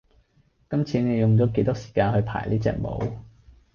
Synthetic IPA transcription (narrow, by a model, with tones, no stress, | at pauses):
kɐ˥mt͡sʰiː˨˧˥ne˨˧jʊ˨ŋt͡ʃɔː˨˥k̬e˧jt̪ʊ˥ksi̥˨˩kaː˧nhɵ˧ɥpʰa̰ː˨˩jliː˥t͡sɛ̰ː˧˩k̚mo̰˨˧w